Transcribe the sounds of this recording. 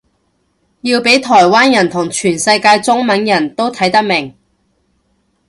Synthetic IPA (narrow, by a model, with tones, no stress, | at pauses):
ji˧wpe˨˥jt̪ʰɔː˨˩jwaː˥njɐ˨˩nt̪ʰʊ˨˩ŋt͡ʃʰyː˨˩nsɐ˧jkaː˧jt͡sʊ˥ŋmɐ˨˥njɐ˨˩nt̪o˥wt̪ʰɐ˨˥jt̪ɐ˥k̚mɪ˨˩ŋ